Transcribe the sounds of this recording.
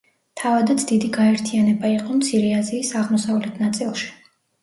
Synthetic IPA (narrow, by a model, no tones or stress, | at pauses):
t̪ʰavad̪at̪sʰd̪id̪iɡaɛɾt̪ʰianɛbaiqʼɔmt̪sʰiɾɛaziːsaʁmɔsavlɛt̪ʰnat̪sʼilˠʃi̥